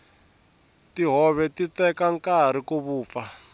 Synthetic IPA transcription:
tiɦɔβɛtitɛkaŋkaɾ̤ikoβuːp̪fa

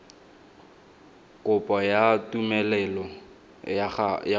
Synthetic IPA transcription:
kʼʊpʼɔjatʼumɛlɛlɔ | ja

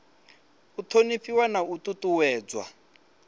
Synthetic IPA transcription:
ut̪ʰoniɸiwanaututʼuwɛːd͡zwa̰

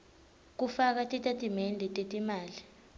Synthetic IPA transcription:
k̬ufak̬atʼitʼatʼimendʱitʼetʼimaːli

